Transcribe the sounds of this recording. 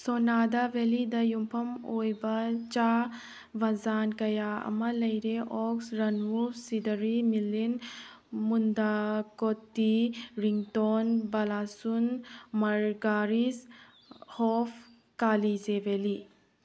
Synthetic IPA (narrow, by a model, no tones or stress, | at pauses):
sɔnadabelidɐjumpʰɐmojbat͡ʃa | bazankɐjaɐ̰mɐlɐjɾeʔɔksɾɐnmubsidəɾimilin | mundakɔtːiɾiŋtɔnbalasunmɐɾɡaɾis | hɔpʰ | kalizebeli